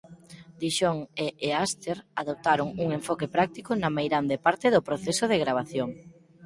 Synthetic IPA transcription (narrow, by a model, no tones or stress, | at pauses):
d̪iʃoŋeʔːast̪eɾaðop̚t̪aɾʊŋuŋeɱfɔkepɾak̚t̪ikʊnamejɾand̪epaɾt̪ɪðʊpɾoθesʊð̞eɣɾaβ̞aθjoŋ